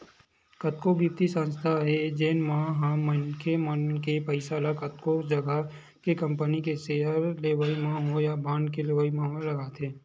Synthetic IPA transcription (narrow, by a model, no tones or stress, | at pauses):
kɐt̪kobiːp̚t̪isãnst̪ʰaɦɛd͡ʒeːnmãːɦãmənkʰemənkepəɪsalakɐt̪kod͡ʒɐɡə | kekɐ̃mpənikeseɦəɾleːʋaimãːɦojabʱãːnkeleʋəimãːɦolɐɡaːt̪ʰẽː